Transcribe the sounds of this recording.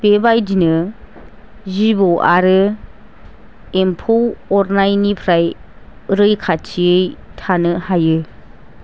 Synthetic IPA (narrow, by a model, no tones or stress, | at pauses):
b̥ebajdinɯ | zibowʔaɾɯ | empʰowɔɾnajnipʰɾaj | ɾɯjkʰat͡ʃʰiɯjtʰanɯhajɯ